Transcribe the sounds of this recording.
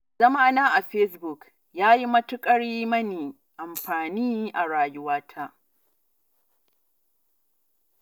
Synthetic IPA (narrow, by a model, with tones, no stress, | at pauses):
zɐ˦ma˦naː˦ʔa˨ɸɛ˦s̬bʊ˨k | jaː˦ji˦mɐ˦tʊ˦kʼɐ˦ɽiː˦mɐ˦niː˨ | ʔa˨mɸaː˨niː˦ʔa˨ɽaː˨jʊ˦waː˦tʰa˦ʔ